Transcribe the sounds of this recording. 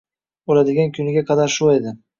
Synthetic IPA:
olad̪ɪɡʲankʰʲʊnɪɡʲaqʰɑd̪aɾʃʊed̪ɪ

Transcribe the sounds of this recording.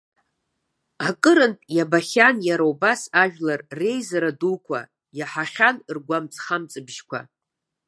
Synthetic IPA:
akʼɨɾɨnpʼjabaχʲanjaɾawubasaʒᶣlarre̞jzaɾadukʷʰa̰ | jaħaχʲanrɡʷamt͡sʼχamt͡sʼɨbʒkʷʰa̰

